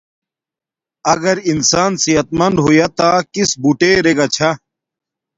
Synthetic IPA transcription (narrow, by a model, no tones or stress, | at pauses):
ɐɡɐɾinsaːnsiɦɐt̪̚mɐnd̪ɦoːjat̪aːkisbuʈeːɾeɡat͡ɕʰa